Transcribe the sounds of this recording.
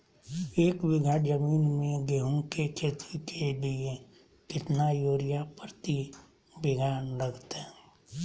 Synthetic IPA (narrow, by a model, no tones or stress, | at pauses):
eːkwɪɡaːd͡ʒəmiːnmẽɡeɦõkekʰeːt̪ikelie | kɪt̪najoːɾɪjapəɾt̪i | bɪɡʱaːnɾəɡʰt̪ɛː